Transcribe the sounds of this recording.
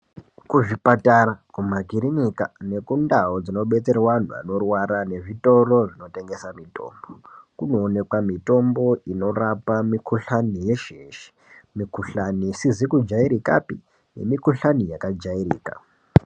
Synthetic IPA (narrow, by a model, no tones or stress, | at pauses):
kuʐipatarakumaɡʱiɾinikane̞kundaod͡zino̞ɓe̞t͡se̞rwan̤ua̰no̞rwaɾane̞ʐito̞ro̞ʐino̞te̞ŋɡe̞samito̞̰ːmbokuno̞ːne̞kwamito̞mbo̞ino̞rapamikʰuɬanije̞ʃeʃi̥ | mikuɬanisizikud͡ʒaiɾika̰pi | ne̞mikuɬanijakad͡ʒairiːka̰